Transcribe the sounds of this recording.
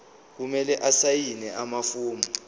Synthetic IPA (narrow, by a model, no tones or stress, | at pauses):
k̬umɛlɛʔasajinɛamafuːma